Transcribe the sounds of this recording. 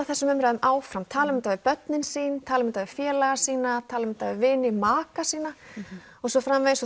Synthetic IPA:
θɛsːʏmʏmɾaðʏmʔaːwfɾamt̪ʰaːlʏmʏnt̪avɪpœt̪nɪnsiːnt̪ʰaːlʏmʏnt̪avɪfjɛːlaɣasiːnat̪ʰaːlʏmʏnt̪avɪvɪːnɪmaːkasiːna | ɔɣsɔfɾamvej̪sɔ

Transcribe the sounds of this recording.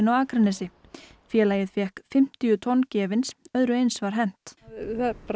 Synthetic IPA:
nawaːkɾanɛsɪ | fjɛːlaːjɪðfjɛhkfɪm̥t̪ijʏt̪ʰɔnːcɛːvɪnsœðɾʏejnsvaɾ̥ɦɛn̥t̪ | p

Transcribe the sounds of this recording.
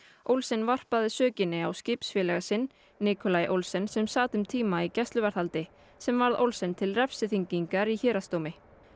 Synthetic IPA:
owlsɪnvar̥paðɪsœːcɪnːɪawscɪːpsfjɪːlɛɣasɪnː | iːkʰɔlajʔowlsɛnsɛmsaːt̪ʏmt̪ʰiːmaicɛst̪lʏvaɾθalt̪ɪ | sɛmvaɾðo̰wlsɛnt̪ʰɪlrɛfsɪθiɲciŋkaɾiçɛːɾast̪owmɪ

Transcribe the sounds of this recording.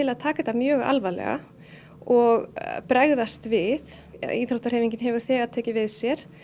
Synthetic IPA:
ɪlaðt̪ʰaːkat̪amjœːɣa̰lvalɛ̰ɣa̰ | ɔɣpɾɛɣðast̪vɪð̰ | iθɾoht̪aɾ̥hɛjviɲcɪnɦɛvʏɾ̥θɛːɣaðt̪ʰɛːcɪvɪðsjɛɾ̥

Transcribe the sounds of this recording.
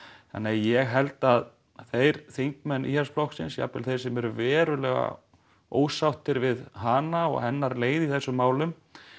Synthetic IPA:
θa̰nːeajɛɣɦɛlt̪að | θejɾ̥θejŋkmɛnːʔḭːhansflɔhksɪnsja̰pːɪlθejɾ̥sɛmɛɾʏvɛːɾʏlɛɣa̰ | o̰ːwsawht̪ɪɾvɪðɦaːnaɔ̰ɣhɛnːaɾleːjðiθɛsːʏmːaːwlʏm

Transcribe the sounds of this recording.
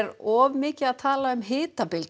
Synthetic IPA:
ɾɔːvmɪːcɪðaðt̪ʰaːlaʏmɦɪːt̪apɪlt̪

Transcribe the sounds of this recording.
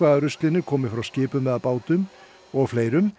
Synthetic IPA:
vaðaɾʏst̪lɪnʏɾkʰɔːmɪ̥fɾawscɪːpʏmvɛðaðpaːwt̪ʏm | ɔɣfleːjɾʏm

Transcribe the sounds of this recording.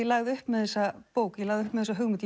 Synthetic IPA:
ɛlaɣðɪʏhpmɛðθɛsːapoːwkjɛlaːɣðʏʏhpmɛðθɛsaɦʏɣmɪt̪l

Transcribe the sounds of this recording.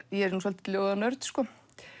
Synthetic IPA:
jɛɛɾnusalt̪kljoːwanœɾt̪skɔ

